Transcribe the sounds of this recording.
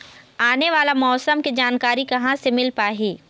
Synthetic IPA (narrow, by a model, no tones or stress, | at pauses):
aːneʋaːlamɔːsəmkid͡ʒaːnkaːɾikɐɦãsemɪlpaːɦiː